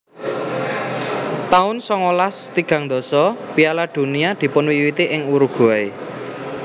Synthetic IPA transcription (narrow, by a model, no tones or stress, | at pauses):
t̪aʊnsɔŋolast̪iɡ̥ä̤ŋnd̪ɔ̤sɔpialad̪̥ṳniad̪̥i̤pʊnwiwit̪iʔɪŋuɾuɡ̥uae